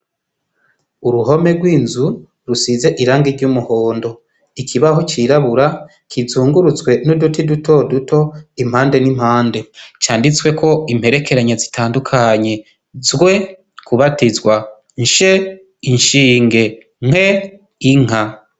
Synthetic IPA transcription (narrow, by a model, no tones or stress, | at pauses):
uɾuɦo̞me̞ɡwiːnzu | ɾusiːze̞ʔiɾaːŋɡiɾɟuːmuho̞ːndo̞ | ikʰiβaɦot͡ʃiɾaβuɾa | kizuːŋɡuɾut͡sɡwe̞nudutiduto̞duto̞im̥haːnde̞nimhaːnde̞t͡ʃaːndit͡swe̞ko̞im̥he̞ɾe̞ke̞ɾaɲezitʰaːndukʰaɲe̞ | zɡwe̞ | kuβatizɡwa | ɲʃe | iɲʃiːŋɡe̞ | ŋ̥he̞ | iŋ̥a